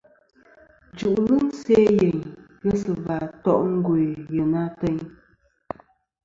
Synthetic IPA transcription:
d͡ʒu˨ʔɣɨ˦n̩˦sɛ˦je˨ɲ | ɣə˦sɨ˨va˨tɔ̰˦ʔŋ̩˦ɡwe˨jə˨na˦tɛ˦ɲ

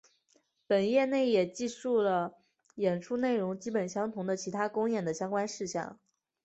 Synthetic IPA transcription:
pə˨˩njɛ˥˧ne˥˩ɪjɛ˨˩t͡ɕi˥˧ʂu˥˩lə˩ | jɛ˨˩nʈ͡ʂʰu˥ne˥˩ɪɻʊ˧˥ŋt͡ɕi˥pə˨˩nɕjɑ˥ŋt̪ʰʊ˧˥ŋd̪ə˧t͡ɕʰi˧˥t̪ʰa˥kʊ˥ŋjɛ˨˩nd̪ə˦ɕjɑ˥ŋkwa˥nʂɻ̩˥˧ɕjɑ̰˥˩ŋ

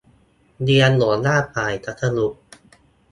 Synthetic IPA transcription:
di˧ənlu˩˦ənlaː˥˩pʰaː˨˩jt̪ʰa˧˦˥t̪ʰːa˧lu˨˩k̚

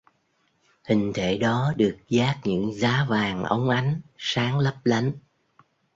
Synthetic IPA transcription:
hï˨˩ŋ̟t̪ʰe˧˩ɗɔ˨˦ɗɨ˨˩ək̚zaː˦˥k̚ɲɨ̰˧˥ŋzaː˨˦vaː˨˩ŋʔə̰˨˦wŋ͡mʔa˨˦jŋ̟saː˨˦ŋlə˦˥p̚la˨˦jŋ̟

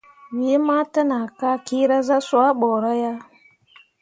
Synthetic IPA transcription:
wi˨˦ma˦ta˦na˨ka˦ki˦ɾa˦za˦swa˦ɓɔ˨ɾa˦ja˦

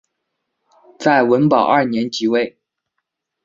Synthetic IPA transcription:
t͡sa˥˩ɪwə˧˥npɑ˨˩ʊʔɐ˥˩njɛ˧˥nt͡ɕi˧˥we˥˩ɪ

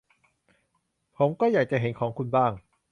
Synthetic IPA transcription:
pʰo˩˦mkɔː˥˩jaː˨˩k̚t͡ɕa˨˩ɦe˩˦nkʰɔː˩˦ŋkʰu˧nbaː˥˩ŋ

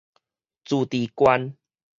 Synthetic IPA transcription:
t͡suː˨˩t̪i˨˩kwa˦n

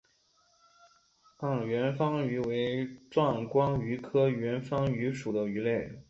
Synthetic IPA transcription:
t̪ɑ˥˩ŋɥɛ˧˥nfɑ˥ŋy˧˥we˧˥ɪʈ͡ʂwɑ˥˩ŋkwɑ˥ŋy˧˥kʰɤ˥ɥɛ˧˥nfɑ˥ŋy˧˥ʂu˨˩d̪ə˦y˧˥le˥˩ɪ

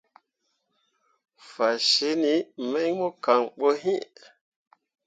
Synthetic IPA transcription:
fa˨ʃe˦ni˨˦me˦ŋmo˦ka˨ŋɓo˦ɦĩ˦ʔ

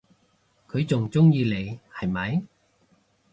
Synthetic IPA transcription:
kʰɵ˨˧ɥt͡sʊ˨ŋt͡sʊ˥ŋjiː˧le˨˩jhɐ˨jmɐ˨˧j

